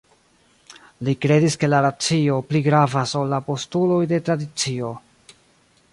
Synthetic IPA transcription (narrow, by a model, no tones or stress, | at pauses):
likɾe̞diske̞laɾat͡sio̞pliɡɾavasolːapo̞stulo̞jde̞tɾadit͡sio̞